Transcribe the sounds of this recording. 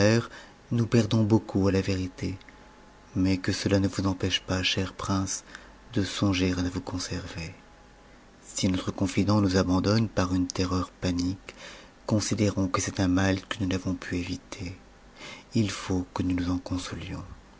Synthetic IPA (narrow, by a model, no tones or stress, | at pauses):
ɛʁ | nupɛʁd̪ɔ̃bokʰualaveʁit̪e | mɛkəsəlanəvuzɑ̃pɛʃpaʃɛʁpχɛ̃s | d̪əsɔ̃ʒeʁaəvukɔ̃sɛʁve | sinɔt̪χəkɔ̃fid̪ɑ̃nuzabɑ̃d̪ɔnpaʁynt̪eʁœʁpanikː | ɔ̃sid̪eʁɔ̃kəsɛt̪ɛ̃malkənunavɔ̃pʰyevit̪ʰe | ilfokənunuzɑ̃kɔ̃sɔljɔ̃